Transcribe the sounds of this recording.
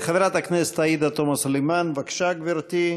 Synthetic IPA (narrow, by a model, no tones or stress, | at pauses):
χaveɾat̪aknɛse̥t̪aid̪at̪omasolejmanvakʃaɡviɾt̪i